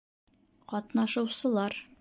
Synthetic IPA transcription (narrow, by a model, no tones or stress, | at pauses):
qɒt̪nɑʃɤ̆wsɤ̆lˠɑɾ